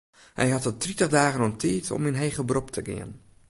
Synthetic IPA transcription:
hɛ̰jɦɑtədritəχdaːɣənɔmtʰiːtʰɔ̰minɦeːɣəbrɔptʰəɡɪ̰ən

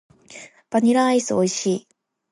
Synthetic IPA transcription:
b̥aɲʲiɾaisɨoiɕiː

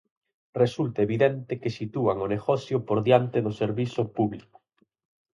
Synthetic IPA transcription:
result̪aeβiðent̪ɪkesit̪uaŋoneɣɔθjʊpoɾðjant̪eðʊseɾβiθʊpuβlikʊ̥

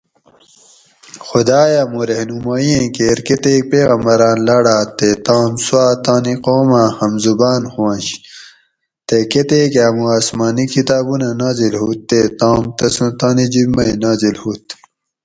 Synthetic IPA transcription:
xud̪aːjamuɾehnumaːjẽkeːɾket̪eːk̚peːɣɐmbɐɾaːnlaɽaːt̪et̪ãːmsuaːt̪aːniqoːmãhɐmzubaːnxwãːnɕ | t̪eket̪eːkaːmuaːsmaːnikʰit̪aːbunanaːzilhut̪ːet̪ãːmt̪ɐsũt̪aːnid͡ʑimɐinaːzilhuːt̪

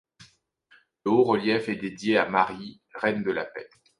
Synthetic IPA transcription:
ləoʁəljɛfɛd̪ed̪jeamaʁi | ʁɛnd̪əla̰pɛ̰

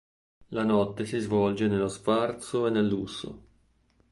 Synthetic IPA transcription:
lanɔt̪ːesizvɔld͡ʒenelːosfart̪soenelːusːo̰

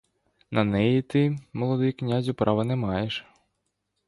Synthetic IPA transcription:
nɐnɛjit̪ɪmɔlˠɔd̪ɪknʲazʲʊpɾʔɑʋɐnɛmɑjeʃ

